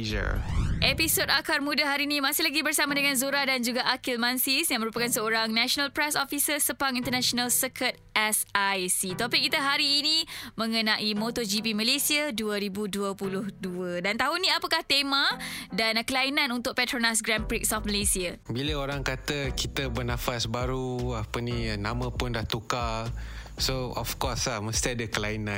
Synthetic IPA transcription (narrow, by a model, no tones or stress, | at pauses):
ə̰ʔepisodakarmudaɦaɾinĩmãsɪhlaɡibərsamadəŋãnzuɾadand͡ʒuɡaʔakilmansisjaŋməɾupakansəoɾaŋnaʃonalpɾɛsofisəsəpaŋint̪ərnãʃonalsəkʰət̪̚ɛsajsit̪opik̚kːit̪aɦaɾiːnimə̃ŋənãʔimot̪ɔd͡ʒipiməlesiaduəɾibuduəpulʊhduədant̪aɦunĩapəkaht̪emãdankəlainãnunt̪ʊk̚pɛt̪ɾonas̬ɡɾampɾik̚sɔf̚məlesiabiləoɾaŋkat̪əkit̪əbənãfasbaɾuapəninãmə̃pʊndaht̪uka | soɔfkɔslahməst̪iadəkəlainã